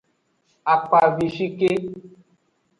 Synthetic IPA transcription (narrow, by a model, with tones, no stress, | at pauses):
a˨k͡pa˨vi˨ʃi˦ke˦